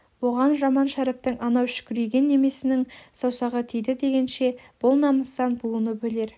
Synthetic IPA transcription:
wo̞ʁɑnʒɑmɑnʃæɾɪp̚t̪ɪŋɑnɑwʃʏ̥kʲʏɾejɡʲe̞nːe̞me̞sɪnɪŋsɑwsɑʁət̪ʰejd̪ɪd̪e̞ɡʲe̞nʃe̞b̥ʊlˠnɑməst̪ɑnbuənəbɵle̞ɾ

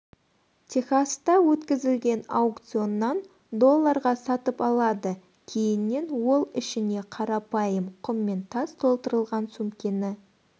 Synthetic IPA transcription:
t̪ʲʰexast̪ɑwɵt̪kʲɪzɪlɡʲe̞nɑwkt̪sio̞nːɑn | d̪o̞lˠːɑɾʁɑsɑt̪əpɑlˠɑd̪ə | kʲʰejɪnːe̞nwo̞lˠɪʃɪne̞qʰɑɾɑpɑjəmqʰʊmːe̞nt̪ʰɑzt̪ʰo̞lˠt̪əɾəlˠʁɑnsumkʲenɪ

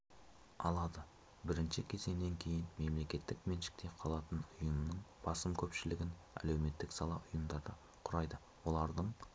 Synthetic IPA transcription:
ɑ̰lˠɑd̪ə | bɪɾɪnʃɪkʲʰe̞ze̞nd̪e̞ŋkʲʰe̞jɪnme̞mle̞kʲe̞t̪ːɪkmenʃɪ̥k̚t̪e̞qʰɑlˠɑt̪ənʊjəmnəɴb̥ɑsəmkʲʰɵpʃɪlɪɡʲɪn | æ̰lewme̞t̪ːɪksɑlˠɑʔʊjəmd̪ɑɾd̪ɑ | qʰʊɾɑjd̪ə | wo̞lˠɑɾd̪əɴ

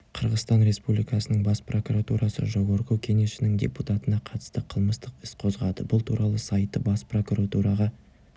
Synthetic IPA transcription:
qʰəɾʁəzt̪ɑnɾe̞spublʲijkɑsənəɴbɑspro̞kuɾat̪uɾʔɑsə̰ʒowoɾquwkʲʰe̞ŋe̞ʃɪnɪŋd̪ʲḛput̪ɑt̪ənɑqʰɑt̪ə̥st̪əqʰəlˠməst̪əqɪsqʰo̞zʁɑd̪əbʊlˠt̪ʰuɾʔɑlˠəsɑjt̪ːəbɑspro̞kuɾat̪uɾɑʁɑ

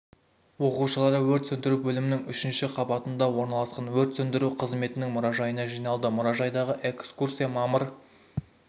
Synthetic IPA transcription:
wo̞quʃəlˠɑɾəwɵɾt̪sɵnd̪ɪɾubɵlɪmɪnɪŋʏʃɪnʃɪqʰɑbɑt̪ənd̪ɑwo̞ɾnɑlˠɑsqɑnwɵɾt̪sɵnd̪ɪɾuqʰəzme̞t̪ɪnɪŋmʊɾɑʒɑjənɑʒijnɑlˠd̪əmʊɾɑʒɑjd̪ɑʁəʔe̞kskursijɑmɑməɾ

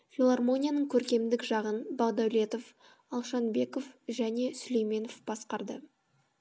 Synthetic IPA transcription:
fʲilˠarmo̞nʲijanəɴkʲʰɵɾkʲe̞md̪ɪkʒɑʁənbɑʁd̪ɑwle̞t̪o̞f | ɑlˠʃɑnbe̞ko̞fʒæne̞sʏle̞jme̞no̞fb̥ɑsqɑɾd̪ə

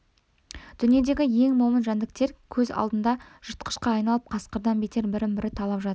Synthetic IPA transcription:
d̪̥ʏnije̞d̪e̞ɡʲɪje̞ŋmomənʒɑnd̪ɪk̚t̪e̞ɾkʲʰɵzɑ̰lˠd̪ənd̪ɑʒ̥ʊt̪qə̥ʃqɑːjnɑlˠəp̚qʰɑsqəɾd̪ɑnbet̪e̞ɾbɪɾɪmbɪɾɪt̪ʰɑlˠɑpʒɑt̪əɾ

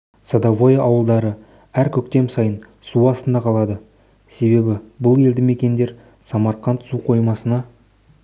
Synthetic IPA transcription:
sɑd̪ɑvo̞jʔɑwəlˠd̪ɑɾə | æɾkʲʰɵkt̪e̞msɑjən | suɑst̪ənd̪ɑqʰɑlˠɑd̪ə | se̞βe̞bɪbʊlˠe̞ld̪ɪme̞kʲe̞nd̪e̞ɾ | sɑmɑɾqɑnt̪suqʰo̞jmɑsənɑ

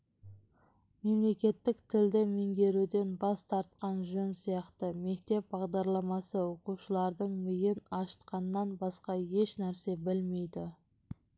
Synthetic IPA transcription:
me̞mle̞kʲe̞t̪ːɪkt̪ʰɪld̪ɪmeŋɡʲe̞ɾud̪e̞nbɑst̪ʰɑɾt̪qɑnʒɵnsijɑqt̪əme̞kt̪e̞p̚bɑʁd̪ɑɾlˠɑmɑsəwo̞quʃəlˠɑɾd̪əɴmɪjɪnɑʃə̥t̪qɑnːɑnbɑsqɑje̞ʃnæɾse̞bɪlme̞jd̪ɪ

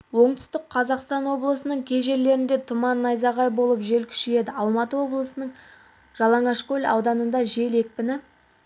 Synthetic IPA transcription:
wo̞ɴt̪ʏ̥st̪ɪkqʰɑzɑqst̪ɑnwo̞blˠəsənəɴkʲʰe̞ʒe̞ɾle̞ɾɪnd̪e̞t̪ʰʊmɑnːɑjzɑʁɑjbo̞lˠəpʒe̞lkʲʰʏ̥ʃɪj̪e̞d̪ɪɑlˠmɑt̪əwo̞blˠəsənəɴ | ʒ̥ɑlˠɑɴɑʃkʲɵlʲɑ̰wd̪ɑnənd̪ɑʒe̞le̞k̚pɪnɪ

